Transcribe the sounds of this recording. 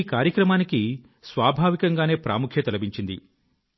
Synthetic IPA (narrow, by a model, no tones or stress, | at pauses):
iːkaːɾjɐkɾɐmaːniki | sʋaːbʱaːʋikɐŋɡaːne̞ːpɾʔa̰ːmukʰjɐt̪ɐlɐbiɲt͡ʃind̪ḭ